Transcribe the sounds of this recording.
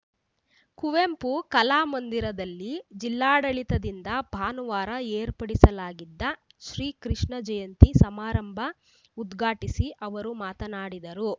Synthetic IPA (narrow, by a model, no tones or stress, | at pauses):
kuʋempukɐlaːmɐnd̪iɾɐd̪ɐlːid͡ʒilːaːɽɐɭit̪ɐd̪ind̪ɐbʱaːnuʋaːɾɐeːɾpɐɽisɐlaːɡid̪ːɐ | ʃɾiːkɾiʂɳɐd͡ʒɐjɐnt̪isɐmaːɾɐmbʱɐ | ud̪ɡʱaːʈisiʔɐʋɐɾumaːt̪ɐnaːɽid̪ɐɾu